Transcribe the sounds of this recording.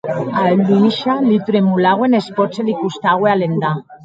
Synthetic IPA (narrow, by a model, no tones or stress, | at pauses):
ald̪uiʃalit̪uɾemulaɣwenespot͡selikust̪aɣwealend̪a